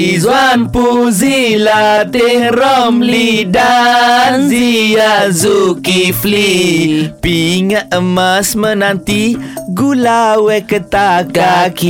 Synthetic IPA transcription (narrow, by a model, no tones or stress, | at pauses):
izwanpuzilat̪ihɾɔmlida | ziazukifli | piŋaʔəmasmənant̪iɡulawɛkət̪akak